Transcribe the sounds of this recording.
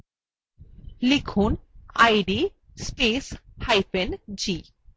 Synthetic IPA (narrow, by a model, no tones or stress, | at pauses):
likʰunajɖi | speshajpend͡ʑi